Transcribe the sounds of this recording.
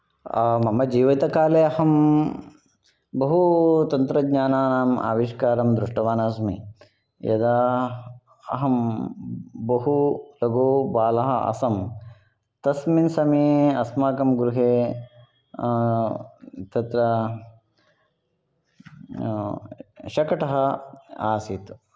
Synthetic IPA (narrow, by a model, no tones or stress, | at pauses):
mɐmɐd͡ʒiːʋɐt̪ɐkaːleːɐhɐm | bɐɦut̪ɐnt̪ɾɐɡɲaːnaːnaːma̰ːʋiʂkaːɾɐmd̪ɾuʂʈɐʋaːnaːsmḭ | jɐ̰d̪aː | ɐ̰ɦɐm | bɐɦulɐɡoːbaːlɐɦɐʔɐ̰sɐm | t̪ɐsminsɐmiɐsmaːkɐmɡɾuɦeː | t̪ɐt̪ɾɐ | ʃɐkɐʈɐɦɐaːsit̪